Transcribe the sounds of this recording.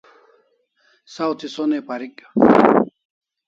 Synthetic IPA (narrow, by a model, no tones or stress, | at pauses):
sawt̪ʰisonepaɾik